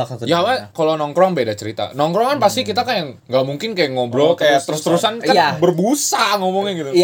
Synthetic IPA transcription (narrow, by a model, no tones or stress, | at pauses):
jamakalonɔŋkɾɔŋbedat͡ʃəɾit̪a̰nɔŋkɾɔŋanpast̪ikit̪akanjaŋːɡamuŋkɪnkajaŋobɾokajat̪əɾust̪əɾusankabərbusaŋomɔŋɲaɡit̪u